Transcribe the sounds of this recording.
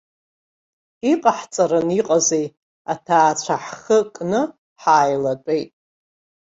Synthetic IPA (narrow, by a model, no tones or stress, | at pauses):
iqʼaħt͡sʼaɾɨniqʼazej | atʰaːt͡ɕʷʰaħχəkʼnɨ | ħaːjlat͡pʷʼejtʼ